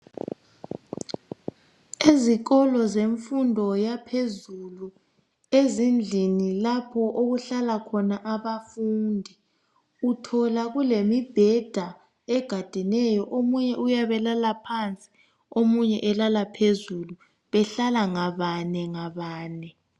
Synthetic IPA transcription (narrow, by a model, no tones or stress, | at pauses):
iziɣɔlɔzeɱfundʱɔjapʰezulu | ezind͡ɮʱinilapʰɔʔoɣuɬalakʰɔnaʔaβafuːndʱi | utʰɔlaɣulemib̥ʱɛd̥ʱa | ɛɡ̥ʱad̥ʱinɛjɔʔomuɲɛʔujaβɛlalapʰant͡sʼi̥ | omuɲɛʔɛlalapʰezulu | βɛɬalaŋaβanɛŋaβaːnɛ